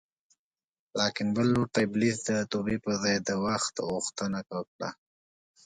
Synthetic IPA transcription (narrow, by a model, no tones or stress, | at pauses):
lɑkɪnbəlːoʈablisd̪ət̪obepəzɑjd̪əwaxt̪ɣuxt̪ənakakɽa̰